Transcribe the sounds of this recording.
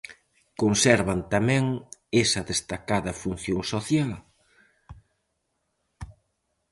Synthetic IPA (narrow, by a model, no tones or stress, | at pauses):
konsɛɾβɐnt̪amɛ̃ŋesɐðest̪akaðɐfun̟θjoŋsoθjal